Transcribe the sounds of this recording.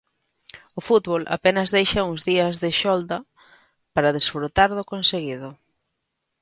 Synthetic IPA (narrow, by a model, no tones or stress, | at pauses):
ʊfut̪βolʔa̰penɐzðejʃɐuŋzðiɐzðɪʃɔld̪ɐ | paɾɐðesfɾut̪aɾðʊkonseɣið̞ʊ